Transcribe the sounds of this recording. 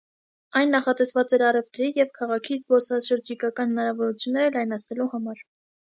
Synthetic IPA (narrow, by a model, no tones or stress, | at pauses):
ɑjnːɑχɑt̪ɛsvɑt͡sɛɾɑrɛvt̪ɾijɛvkʰɑʁɑkʰizbɔɾsɑʃəɾd͡ʒikɑkɑnhənɑɾɑvɔɾut͡sʰjunːɛɾəlɑjnɑt͡sʰnɛluhɑmɑɾ